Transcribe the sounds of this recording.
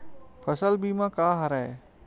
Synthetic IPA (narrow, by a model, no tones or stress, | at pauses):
pʰəsəlbʱiːmãkaːɦɐɾae